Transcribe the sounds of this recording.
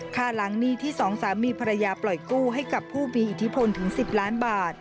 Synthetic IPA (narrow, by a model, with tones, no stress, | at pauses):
kʰaː˧˩la˩˦ŋniː˥˩t̪ʰiː˥˩sɔː˩˦ŋsaː˩˦mːiː˧pʰa˧ɾa˧jaː˧plɔ˨˩jkuː˥˩ɦa˥˩jka˨˩pʰːuː˥˩miː˧ʔi˨˩t̪ʰːi˦˥pʰo˧nt̪ʰɯ˩˦ŋsi˨˩p̚laː˦˥nbaː˨˩t̪̚